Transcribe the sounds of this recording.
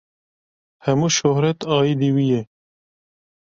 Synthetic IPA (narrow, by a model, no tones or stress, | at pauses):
hɛmuːʃohɾɛt̪ɑːjid̪iwijɛ